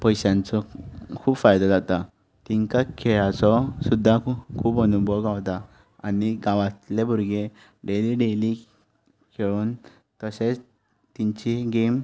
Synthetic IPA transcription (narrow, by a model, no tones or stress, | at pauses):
pəjɕãnt͡sɔkʰuːbfajd̪ɔd͡zat̪a | t̪iŋkakʰeɭat͡sɔsud̪ʱːakʰuːbənubɔɡaʋt̪a | aniɡãʋãt̪lebʱuɾɡe | ɖeliɖeli | kʰeɭuːn | t̪əset͡s | t̪iɲt͡ɕiɡem